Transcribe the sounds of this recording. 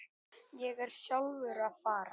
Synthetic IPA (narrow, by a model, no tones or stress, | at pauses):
jɛɣɛɾ̥sjawðʏɾaðfaːɾa